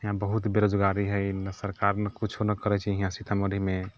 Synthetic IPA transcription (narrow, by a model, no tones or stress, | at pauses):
ɦiɦãbəɦut̪beɾod͡ʒɡaɾiɦəjnəsəɾkaɾnekut͡ʃʰonəkəɾɛt͡ʃʰiɦĩɦãsit̪ʰaməd̪ʱime